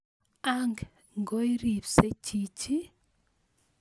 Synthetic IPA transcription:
aŋɡ | ŋɡo˦i˦ɾi˨pse˦t͡ʃi˨t͡ʃi˦

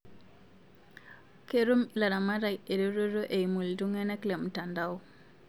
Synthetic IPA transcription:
ke˦ɾu˦mla˨ɾa˨ma˦ɾa˨je˨ɾo˦ɾo˦ɾo˦ʔe˨i˨mu˨ldu˦ŋɛ˦nɛ˦kle˨mu˨ta˨nda˦u˦

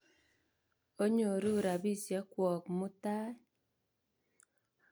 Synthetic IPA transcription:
o˦ɲo˨ɾu˦˨ɾa˨bi˦˨sjɛ˨˦kwɔ˨kmu˦taː˦

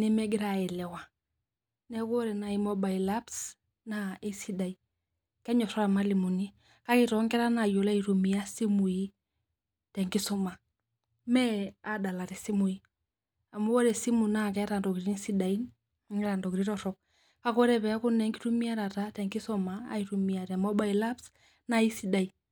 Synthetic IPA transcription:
nɛ˦mɛ˦ɡɪ˦ɾa˨ɛ˨lɛ˨wa˨ | nɛ˦ko˦ɾɛ˨na˨i˨mo˦ba˨ila˦ps | na˦e˦si˦da˨i˨ | kɛ˦ɲɔ˨sɔ˦ɾa˨ma˦li˨mu˨ni˦ | ka˦kɪ˨tɔ˨˦ŋɡɛ˦ɾa˦na˨jo˨la˦i˨ɾu˨mi˨a˦si˦mu˨i˦ | tɛ˨ŋɡɪ˦sɔ˦ma˨ | mɛ˦a˨da˨la˨ɾɛ˨si˦mu˨i˦ | a˨mu˦wɔ˦ɾɛ˨si˦mu˨na˦˨kɛ˦ɾa˨ndɔ˨kiɾi˦nsi˦da˨i˦n˦ | ŋɛ˦ɾa˨ndɔ˨kiɾi˦ɾɔ˨ɾɔ˦k̚ | ka˦kɔ˦ɾɛ˦pɛ˨a˦kʊ˦nɛ˨˦ŋɡi˦ɾu˦mi˦a˦ɾa˨ta˦tɛ˨ŋɡɪ˦sɔ˦ma̰ː˨i˨ɾu˨mi˨a˨ɾɛ˨mɔ˦ba˦˨i˨la˦ps | na˦i˦si˦da˨i˨

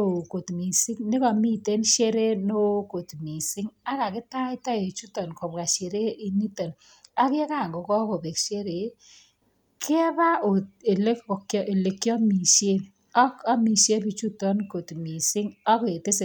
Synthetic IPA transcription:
o˨ko˨tmi˨si˦ŋnɪ˦kɔ˨mi˦˨te˦nʃe˦ɾe˦no˦ko˨tmi˨sɪ˦ŋa˦ka˨kɪ˦ta˦ɪ˦ta˦e˨t͡ʃu˦tɔ˨nkɔ˨pka˨ʃe˨ɾe˦ʔi˦ni˦to˨n | a˦kɪ˦ka˨ŋɡɔ˨kɔ˦ko˨be˨kʃe˦ɾe˨ | kʰɪ˦ba˦o˨te˨le˦kɔ˨kjɔ˦ʔe˨le˨kːjɔ˦mi˨ʃje˦ | a˦ka˦mi˨ʃe˦pi˨t͡ʃu˦tɔ˦nko˨tmi˨sɪ˦ŋa˦kɔ˨e˨te˦se˨

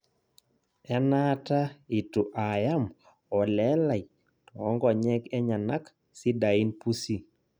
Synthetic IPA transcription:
ɛ˦na˦ta˦i˨tu˨ʔa˨ja˦m | ɔ˨lɛ˦la˨i˨ | tɔ˨ɔ˦ŋɡɔ˨ɲɛ˦kɛ˦ɲa˨na˦k | si˦da˨i˦npu˦si˦

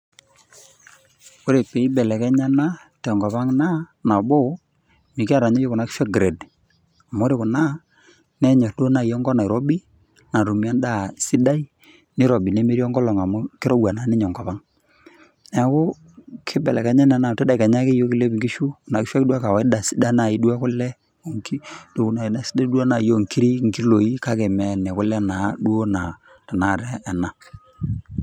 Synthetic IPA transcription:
o˦ɾe˨pe˨i˦bɛ˨lɛ˨kɛ˦ɲa˦na˦ | tɛ˨ŋɡɔ˨pa˦ŋna˦na˨bo˦ | mi˨ki˦a˦ɾa˨ɲo˦jo˦kʊ˨na˨˦ki̥˦ʃwɛ˦k̚ɡɾe˨d | a˨mo˦ɾe˦˨kʊ˨na˦ | nɛ˦ɲɔ˨do˦na˨jɔ˦ŋɡɔ˦na˨ɾɔ˦bi˦ | na˨ɾu˨mi˨a˦nda˦˨si˦da˦i˦ | ni˦ɾɔ˨bi˨nɛ˦me˦ɾi˦ɔ˦ŋɡɔ˦lɔ˨ŋa˨mʊ˦kɪ˦ɾɔ˦wa˨na˦ni˦ɲɔ˨ŋɡɔ˨pa˦ŋ | nɛ˨˦kʊ˦ | kʰɪ˦bɛ˨lɛ˨ka˨˦ɲɛ˦nɛ˨na˨tɛ˦da˨i˨ka˨ɲa˦kɪ˦jo˦ki˨le˦bɡi˦ʃu˦˨na˨kɪ˦ʃwa˦kda˦ka˨wa˨ɪ˦da˨si̥˦da˦na˨i˨˦du˦a˦kʊ˦lɛ˦ | o˨ŋki˦do˨˦na˨na˨si˦da˦du˦a˦na˨jo˦˨ŋki˦ɾi˦ŋki˦lo˨i˦ka˦kɛ˨mɛ˨nɛ˨kʊ˦lɛ˦na˨dwo˦na˨ | ta˨na˨ɾɛː˦˨na˨

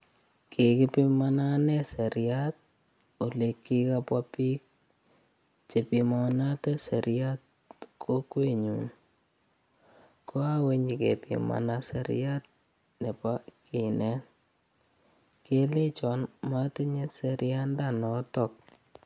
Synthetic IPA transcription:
kʰe˨kipi˦mana˦nɛ˦sɛ˨ɾjat̚ | o˨lekːikapwa˦pi˦k̚ | t͡ʃe˨pima˨na˦te˦se˨ɾja˦t̚ | kʰo˦kwe˦ɲṵn | ko˦a˦we˦ɲikḛ˨pḭma̰˨nasɛ̰˨ɾ̰ja˦t̚ | ne˨paki˨nɛ˦n | ke˦le˦t͡ʃɔnma˦ti˦ɲe˦seɾɪja˦ndanɔ˦tɔk̚

